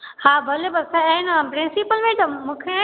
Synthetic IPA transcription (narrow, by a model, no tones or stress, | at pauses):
haːbʱɐlebɐsɛ̃ɪnpɾɪ̃nsipəlmẽd͡ʑomũːkʰe